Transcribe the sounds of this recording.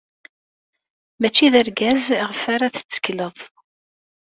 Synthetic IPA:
mæt͡ʃːiðəɾɡæzʁəfaɾaθə̥t͡sːə̥kləðˤ

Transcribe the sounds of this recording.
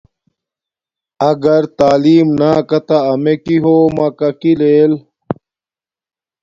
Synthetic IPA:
ɐɡɐɾt̪aːliːmnaːkɐt̪aːmekiɦoːmɐkɐkileːl

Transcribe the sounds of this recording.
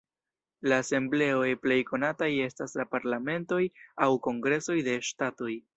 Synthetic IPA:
laːse̞mble̞o̞jple̞jko̞nataje̞staslapaɾlame̞nto̞jawko̞ŋɡɾe̞so̞jde̞ʃtato̞j

